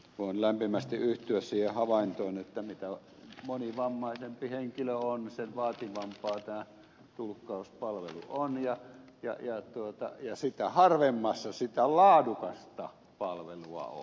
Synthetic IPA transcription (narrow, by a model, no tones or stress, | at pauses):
kuonlæmpimæst̪iʔyht̪yæssiːhehɑʋɑint̪oːnet̪ːæmit̪æ | moniʋɑmːɑˑisempiheŋkiløonseʋɑːt̪iʋɑmpɑːt̪æː | t̪ulkːˑɑˑuspɑlʋelṵonjɑjɑ̰jɑt̪uot̪ɑ̰jɑsit̪æhɑrʋemːɑsːɑsit̪ælɑːdukɑst̪ɑ | pɑlʋeluɑ̰o̰